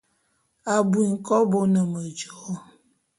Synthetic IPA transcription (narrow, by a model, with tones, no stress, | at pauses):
a˨bu˨i˨ŋ̩˨kɔ˦bo˦nə˨mə˨d͡ʒɔ˨˦